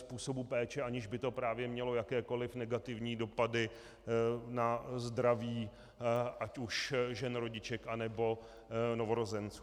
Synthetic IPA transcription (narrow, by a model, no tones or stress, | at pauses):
spuːso̞bupɛːt͡ʃɛʔaɲɪʒbɪt̪o̞pɾaːvjɛmɲɛlo̞jakɛːko̞lɪfnɛɡat̪ɪvɲiːdo̞padɪ | nazd̪ɾaviː | ʔacuʃʒɛnɾo̞ɟɪt͡ʃɛkʔanɛbo̞ | no̞vo̞ɾo̞zɛnt͡su̥ː